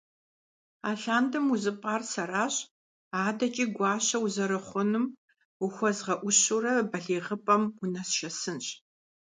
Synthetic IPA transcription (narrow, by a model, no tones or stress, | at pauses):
aːɬaːndɨmuzɨpʼaːrsɐraːɕ | aːdɐt͡ʃʼiːɡʷɑːɕɐwuzɐɾɨχʷʊnɨm | ʊxʷɔzʁɐʔʷʊɕurɐbɐɮeːʁəpʼɐmʊnɐsʃɐsɨnɕʼ